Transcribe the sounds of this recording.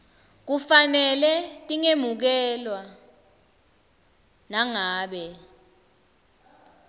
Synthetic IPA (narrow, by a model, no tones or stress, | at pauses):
k̬ufanɛlɛtʼiŋemuk̬ɛlwa | naŋaːɓɛ